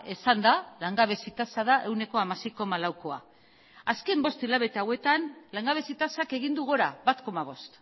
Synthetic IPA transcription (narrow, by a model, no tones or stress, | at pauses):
esand̪alaŋɡaβe̞sit̪asaðaʔe̞wne̞ko̞amasejko̞malawko̞a̰ | aske̞mbo̞st̪ilaβe̞t̪aawe̞t̪anlaŋɡaβ̞e̞sit̪asake̞ɣind̪uɣ̞oɾaβat̪ko̞maβ̞o̞st̪